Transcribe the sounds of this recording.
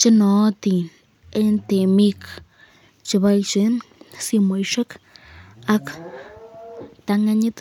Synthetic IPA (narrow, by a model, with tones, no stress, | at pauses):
t͡ʃi˦not̪i˨ | e˦nt̪e˨mi˦k | t͡ʃi˧βalt͡ʃinsi˧mo˨jʃa˦k | a˦k | t̪a˧ŋaɲi˦t̪